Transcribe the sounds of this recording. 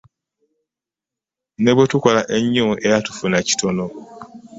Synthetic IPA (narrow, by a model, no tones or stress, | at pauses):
ne̞βwetuko̞laʔeɲːuʔe̞jatu̥funaci̥tʰo̞no